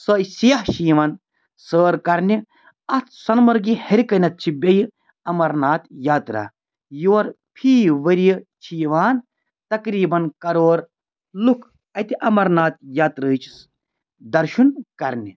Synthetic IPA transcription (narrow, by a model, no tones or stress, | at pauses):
səːjsijɐhʃiːʋɐn | səːɾkɐɾni | ɐt̪ʰsɐnmɐɾɡihɐɾikɐnɐt̪̚t͡ʃʰibʲeji | ɐmɐɾnaːt̪jaːt̪ɾa̰ː | joːɾ | pʰiːʋɐɾijt͡ʃʰiːʋaːn | t̪ɐkɾiːbɐnkɐɾoːɾ | lukʰ | ɐt̪iʔɐmɐɾnaːt̪̚jaːt̪ɾəːt͡ʃʰi̥s | d̪ɐɾʃunkɐɾnʲi